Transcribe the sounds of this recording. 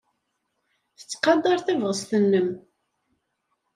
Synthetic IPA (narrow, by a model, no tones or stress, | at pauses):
θə̥t͡sːqɑd̪ˤɑɾˤθævʁəsθənːəm